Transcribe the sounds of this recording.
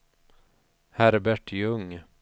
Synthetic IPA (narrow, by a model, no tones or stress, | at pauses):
hæɾbæʈjɵŋ